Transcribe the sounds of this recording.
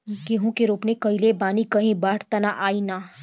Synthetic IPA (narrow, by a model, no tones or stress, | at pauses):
keɦõkeɾuːpnekɐilebaːnikɐɦĩbaːʈt̪ɐnaʔaːinaː